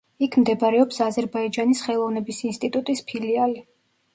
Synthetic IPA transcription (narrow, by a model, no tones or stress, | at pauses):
ikʰmd̪ɛbaɾɛɔpsazɛɾbaid͡ʒanisχɛlˠɔvnɛbisinst̪ʼit̪ʼut̪ʼispʰiliali